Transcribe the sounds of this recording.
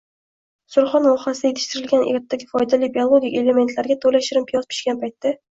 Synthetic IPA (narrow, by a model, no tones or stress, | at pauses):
sʊɾχɒnlɒχasɪd̪ajet̪ʰɪ̥ʃt̪ɪɾɪlɡʲanʔeɾt̪ːaɡʲɪfɒjd̪alɪbialˠoɡʲikʲe̞le̞ment̪ʰlaɾɡʲat̪ʰolaʃɪɾɪmpʰɪjɒspʰɪ̥ʃkʲanpʰajt̪ːa